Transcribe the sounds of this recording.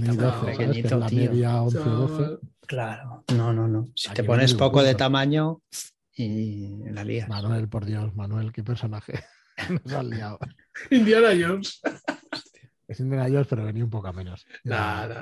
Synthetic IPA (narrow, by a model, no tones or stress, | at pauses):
miðoθeeeit̪enameðjaonθeoðoθe | klaɾonononõsit̪eponespokoðet̪amãɲo | ilalḭamanwe̞lpoɾðjo̞smanwe̞lkepeɾso̞naxe | nosaliaw | ind̪janajos | esind̪enajospeɾoβeniaumpokoamẽnosa